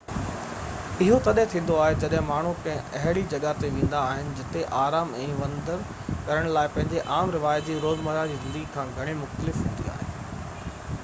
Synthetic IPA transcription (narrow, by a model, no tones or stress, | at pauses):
ɪɦot̪ɐɗẽt̪ʰĩːn̆d̪oaːɦed͡ʑɐɗɦɪ̃maːɳ̤ukɐ̃ɦɪ̃ɐɦɪɽid͡ʑɐɠat̪eʋẽːn̆d̪aːɦɪnɪ̆d͡ʑɪt̪eʔaːɾaːmɛ̃ːʋɐ̃nd̪əɾ | kɐɾəɽ̃laːɪpɐ̃ɦɪ̃ɲd͡ʑeʔaːmɾɪʋaːjt̪d͡ʑiːɾoːzməɾad͡ʑiːzɪ̃nd̪əɡikʰãːɡʱɐɽ̃imʊxt̪əlɪfɦʊ̃ːnd̪ḭa̰ːɦḛː